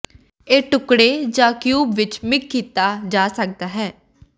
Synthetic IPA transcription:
eːʈʊkɽeːd͡ʒãːkjuːbʋɪt͡ʃmɪkːiːt̪aːd͡ʒaːsək̚d̪aːɦɛː

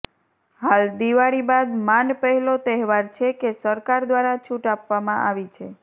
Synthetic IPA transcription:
ɦald̪iʋaɽibad̪manpəɦɛlot̪ɛɦʋaɾt͡ʃʰekesəɾkaɾd̪ʋaɾat͡ʃʰuʈapʋamãʔaʋit͡ʃʰe

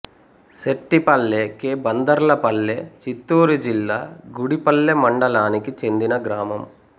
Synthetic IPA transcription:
seʈːipɐlːekeːbɐnd̪ɐɾlɐpɐlːe̞ːt͡ʃit̪ːuːɾud͡ʒilːaːɡuɽipɐlːemɐɳɖɐlaːnikit͡ʃe̞nd̪inɐɡɾaːmɐm

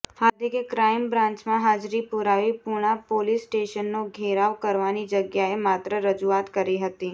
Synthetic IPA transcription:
had̪ʱikekɾaimbɾãnt͡ʃmãɦad͡ʒɾipuɾaʋipuɽ̃apolisʈeʃənːoɡʱeɾaʋkəɾʋanid͡ʒəɡjaemat̪ɾəɾəd͡ʒuat̪kəɾiɦət̪i

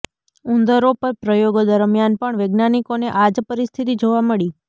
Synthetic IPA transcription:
und̪əɾopəɾpɾəjoɡod̪əɾmjanpəɳʋəɡnanikoneʔad͡ʒpəɾist̪ʰit̪id͡ʒoʋaməɭi

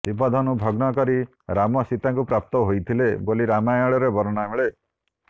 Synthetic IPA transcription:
sip̬ɔd̪ʱɔnubʱɔɡnɔkɔɾi | ɾamɔsit̪aŋkupɾap̚t̪ɔɦojt̪ʰileboliɾamajɔɭɔɾebɔɾɔnameɭe

